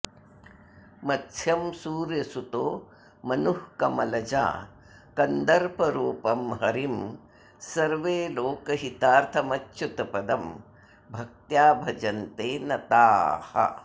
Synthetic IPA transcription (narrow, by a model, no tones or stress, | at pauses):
mɐtʃʰjɐmsuːɾjɐsut̪oː | mɐnuhkɐmɐlɐd͡ʒa̰ː | kɐnd̪ɐɾpɐɾuːpɐmɦɐɾim | sɐɾʋeːloːkɐɦit̪aːɾt̪ʰɐmɐtːʃut̪ɐpɐd̪ɐm | bʱɐk̚t̪jaːbʱɐd͡ʒɐnt̪eːnɐt̪aːhɐ̰